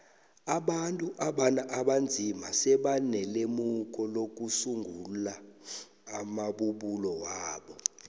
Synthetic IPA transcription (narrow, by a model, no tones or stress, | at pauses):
aɓantʼuʔaɓanaʔaɓand͡zʱimasɛɓanɛlemuk̬ʼɔlok̬usuŋɡʱulaː | maɓuɓulɔwaːɓɔ